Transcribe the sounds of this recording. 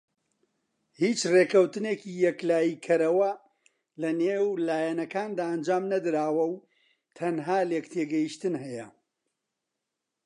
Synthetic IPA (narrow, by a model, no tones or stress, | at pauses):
hiːt͡ʃrekʰɐwt̪ɨneːkijɛklaːjikʰɐɾɐwɐ | lɐneːwlaːjɛnɐkaːnd̪aːʔɐnd͡ʒaːmnɐd̪ɨɾaːwɐw | t̪ʰɐnɦaːlekt̪ʰeːɡɐjiʃt̪ɨnɦɛjɐ